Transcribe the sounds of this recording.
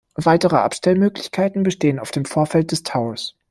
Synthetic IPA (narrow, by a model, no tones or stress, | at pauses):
vaɪtəʁəʔa̰pʃtɛlmøːklɪçkʰaɪtn̩bəʃteːənaʊfd̥eːmfoːɐfɛlt̚d̥ɛstʰaʊɐs